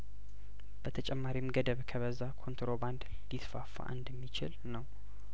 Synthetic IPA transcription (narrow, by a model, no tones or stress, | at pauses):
b̥ət̪ʰət͡ʃʼɛmːaɾimɡəd̪əβkʰəβəzakʰo̞nt̪ɾoband̪ | dit̪fafːa̰ʔɨnd̪əmːit͡ʃɪ̰lnəw